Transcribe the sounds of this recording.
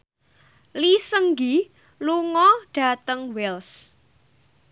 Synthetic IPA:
lisəŋɡi | luŋɔɖ̥a̤t̪əŋwɛls

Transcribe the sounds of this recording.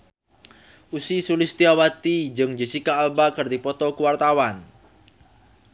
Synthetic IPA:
ʔusisulɪst̪iawat̪id͡ʒɨŋd͡ʒət͡ʃikaːlbakərd̪ipɔt̪ɔkuwart̪awan

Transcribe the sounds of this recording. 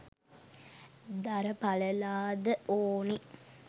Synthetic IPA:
d̪aɾəpaləlaːd̪əoːni

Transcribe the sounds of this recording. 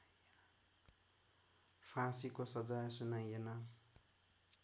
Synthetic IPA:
pʰãsikosʌd͡zajsunajenʌ

